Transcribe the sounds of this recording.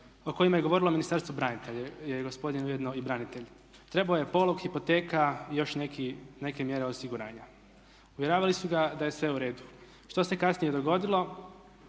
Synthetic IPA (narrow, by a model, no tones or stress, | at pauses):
o̞ko̞jimaje̞ɡo̞ʋo̞ɾilˠo̞minist̪aɾst̪ʋubɾanit̪eʎejeɡospo̞d̪inujed̪noibɾanit̪e̞ʎ | t̪ɾe̞baoje̞po̞lˠoɡxipo̞t̪e̞ːkajo̞ʃnekine̞ke̞mje̞ɾeosiɡuɾa̰ːɲa | uʋje̞ɾaːʋalisuɡad̪aje̞sʋe̞uɾe̞ːd̪u | ʃt̪o̞se̞kasnije̞d̪o̞ɡo̞d̪ilˠo̞